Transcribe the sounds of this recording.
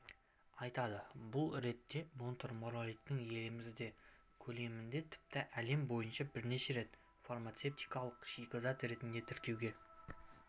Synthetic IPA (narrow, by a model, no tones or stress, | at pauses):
ɑjt̪ɑd̪əbʊlˠɾe̞t̪ːe̞mo̞nt̪oɾmoɾalʲikt̪ːɪŋje̞lɪmɪzd̪e̞ | kʲʰɵle̞mɪnd̪e̞t̪ʰɪ̥p̚t̪ɪʔæle̞mbo̞jənʃɑbɪɾne̞ʃe̞ɾe̞t̪ | farmat̪se̞p̚t̪ijkɑlˠəqʃijkʲəzɑt̪ɾe̞t̪ɪnd̪e̞t̪ʰɪɾkʲewɡʲe̞